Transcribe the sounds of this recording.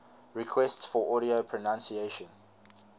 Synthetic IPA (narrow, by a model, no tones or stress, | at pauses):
ɹikʰwɛstsfɔʔɔɾiopʰɹɔnãnsieʃə̃n